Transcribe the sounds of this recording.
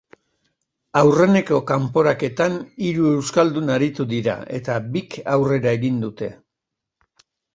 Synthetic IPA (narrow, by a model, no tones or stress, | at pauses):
awre̞ne̞ko̞kampo̞ɾake̞t̪aniɾue̞wskald̪unaɾit̪uðiɾa̰e̞t̪abikawre̞ɾae̞ɣind̪ut̪e̞